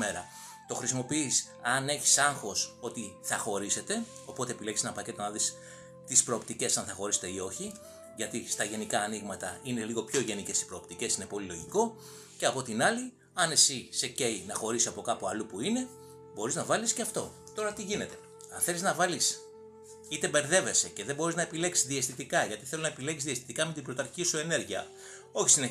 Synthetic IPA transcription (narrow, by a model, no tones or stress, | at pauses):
e̞ɾɐ | t̪o̞xɾisimo̞piis | ɐne̞çi̥sɐŋxo̞so̞t̪iθɐxo̞ɾise̞t̪e̞ | o̞po̞t̪epile̞csenɐpɐce̞t̪o̞nɐðis | t̪ispɾo̞ːpt̪ice̞sɐnθɐxo̞ɾise̞t̪e̞io̞çi | ʝɐt̪ist̪ɐʝe̞nikɐːniɣmɐt̪ɐine̞liɣo̞pço̞ʝe̞nice̞si̥pɾo̞ːpt̪ice̞sine̞po̞lilo̞ʝiko̞ | ce̞ɐpo̞t̪inɐli | ɐne̞sise̞ce̞inɐxo̞ɾisiɐpo̞kɐpuɐlupuine̞ | bo̞ɾiznɐvɐlisceɐft̪o̞ | t̪o̞ɾɐt̪iʝine̞t̪e̞ | ɐnθe̞liznɐvɐlis | it̪e̞be̞ɾðe̞ve̞se̞ce̞ðebo̞ɾiznɐepile̞ksi̥zðiest̪it̪ikɐʝɐt̪iθe̞lonɐepilekizðist̪i̥t̪ikɐmet̪ibɾo̞t̪ɐɾçisue̞ne̞ɾʝiɐ̰ | o̞çi̥sine